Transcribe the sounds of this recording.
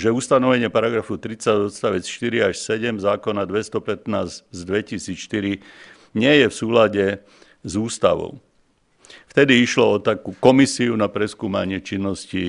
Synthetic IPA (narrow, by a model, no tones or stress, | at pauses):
ʒɛust̪anɔʋɛɲɪɛpaɾaɡɾafut̪ɾit͡saɟɔt̪st̪aʋɛt͡sʃt̪iɾiaʃsɛɟɛmzaːkɔnad̪ʋɛst̪ɔpɛt̪naːzzd̪ʋɛcisiːt͡sʃt̪iɾi | ɲɪɛjɛfsuːlaɟɛ | zuːst̪a̰ʋɔ̰ʊ | ft̪ɛd̪iiʃlɔɔt̪akukɔmisiunapɾɛskuːma̰ɲɪɛt͡ʃinːɔsci